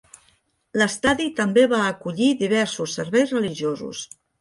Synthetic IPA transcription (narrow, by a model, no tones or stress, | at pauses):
ləst̪aðit̪əmbeβaəkuʎiðiβ̞ɛɾsusːəɾβɛjzrəliʒiozṵs